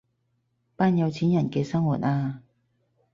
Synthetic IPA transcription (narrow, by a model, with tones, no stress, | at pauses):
paː˥njɐ˨˧wt͡sʰiː˨˥njɐ˨˩nkɛː˧sɐ˥ŋwṵ˨˩t̚aː˧